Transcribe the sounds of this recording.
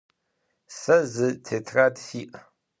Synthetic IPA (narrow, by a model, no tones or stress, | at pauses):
sɐzɨtʰeːtʰraːdfiːʔ